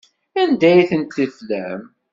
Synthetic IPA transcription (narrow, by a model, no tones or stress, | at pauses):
ænd̪æjθənt̪ːəflæ̰m